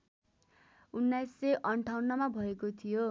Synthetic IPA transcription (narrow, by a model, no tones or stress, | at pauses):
unːajsːeʔʌɳʈʰawnːʌmabʱʌekot̪ʰijo